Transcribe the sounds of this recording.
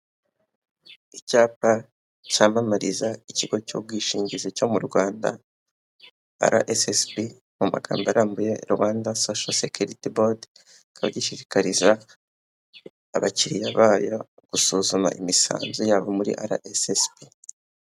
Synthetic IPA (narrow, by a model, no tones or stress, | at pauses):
icaːp̚a | camamaɾizaiciɡo̞cob̚ɡiːʃiːɲɟizico̞muɾɡwaːnda̰ | a̰ɾʔa̰ʔesesbi | muma̰ɡ̥a̰ːmbaɾambuje̞̰ɾuwaːndasoʃasekuɾitibod | kʰaβa̰ɟiʃiʃi̥kaɾiza | βaciɾijaβaːjo | ɡ̥usuːzuma̰ʔimisa̰ːnzujaβomuɾḭʔaɾa̰ʔesespi